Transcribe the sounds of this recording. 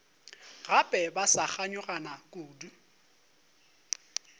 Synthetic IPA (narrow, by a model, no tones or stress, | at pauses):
ɣapʼɛbasaχaɲʊranakʼoːdu